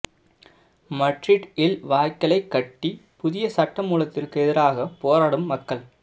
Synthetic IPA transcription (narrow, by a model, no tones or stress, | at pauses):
mɐɖrɪʈɪlʋaːjkːɐlɐɪkːɐʈːipʊðɪjɐsɐʈːɐmuːlɐt̪ːɪrkɯɛðɪɾaːɣɐpoːɾaːɽɯmːɐkːɐɭ